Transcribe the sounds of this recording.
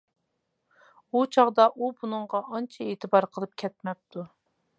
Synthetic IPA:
ut͡ʃʰɑʁd̪ɑʔubunɨŋʁɑʔɑnt͡ʃʰɑeːt̪ʰɨbɑɾqʰəlˠɨp̚kʲʰɛt̪̚mɛp̚t̪ʰu

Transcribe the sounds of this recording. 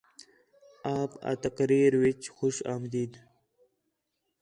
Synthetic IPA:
aːpa̰t̪akɾiːɾwit͡ʃxuʃaːmd̪iːd̪

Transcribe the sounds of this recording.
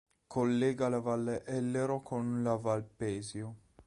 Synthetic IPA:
kʰolːeːɡalevalːeʔɛlːeɾokʰonlavalpɛːzjo

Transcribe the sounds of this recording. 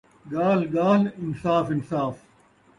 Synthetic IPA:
ɡaːlɡaːlɪnsaːfɪnsaːf

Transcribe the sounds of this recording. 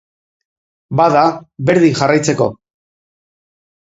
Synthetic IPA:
baðaβe̞ɾðiŋʝarajt͡se̞ko̞̰

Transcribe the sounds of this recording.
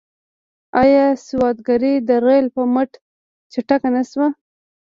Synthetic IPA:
ɑjɑsɪwɑd̪̚ɡaɾid̪əɾelpəməʈ | t͡ʃɪʈakanaswa

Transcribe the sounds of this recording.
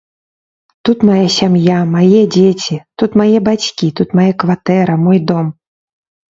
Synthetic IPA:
t̪ut̪majasʲamjamajɛd͡zʲet͡sʲit̪ut̪majɛbat͡sʲkʲit̪ut̪majɛkvat̪ɛɾɐmɔjd̪ɔm

